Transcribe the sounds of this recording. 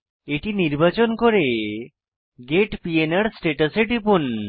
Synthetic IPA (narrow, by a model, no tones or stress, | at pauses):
eʈiniɾbat͡ʃɔnkoɾe | ɡeʈpienaɽsʈeʈaseʈipun